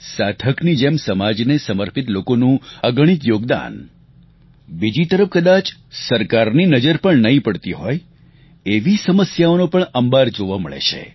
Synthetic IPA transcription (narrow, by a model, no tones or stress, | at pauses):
sat̪ʰəknid͡ʒemsəmad͡ʒnesəməɾpʰit̪lokonũəɡəɽ̃it̪joɡd̪a̰n | bid͡ʒit̪əɾəfkəd̪at͡ʃsəɾkaɾninəd͡ʒəɾpəɳnəɦĩpəɽt̪iɦɔj | eʋisəməsjaonopəɳəmbaɾd͡ʒoʋamə̰ɭḛʃʰḛ